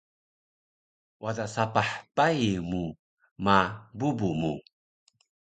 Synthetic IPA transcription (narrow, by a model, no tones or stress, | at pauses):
wadaʔsapaħpajmu | mabubumu